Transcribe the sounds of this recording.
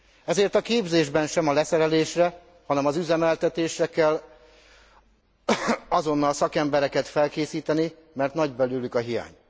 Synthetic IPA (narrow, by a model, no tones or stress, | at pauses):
ɛzeːrt̪ɒkeːbzeːʒbɛnʃɛmɒlɛsɛɾɛleːʃrɛ | hɒnɛmɒzyzɛmɛlt̪ɛt̪eːʃrɛkɛlː | ɒzo̞nːɒlsɒkɛmbɛɾɛkɛt̪fɛlkeːsiːt̪ɛni | mɛrt̪nɒɟbɛlylykɒɦija̰ːɲ